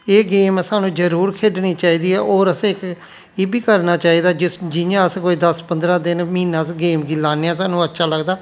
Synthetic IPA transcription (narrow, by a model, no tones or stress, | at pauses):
eːɡeːmsaːnũːd͡ʒəɾuːɾkʰeːɖniːt͡ʃaːiːd̪iːɛːʔoːɾəsːk | ɪbiːkəɾnaːt͡ʃaːiːd̪aːd͡ʒɪd͡ʒɪjãːəskoːiːd̪əspənd̪ɾãːd̪ɪnməɦiːnːãːsɡeːmɡiːlaːneãːs̬aːnũːətːʃʰaːləɡd̪aː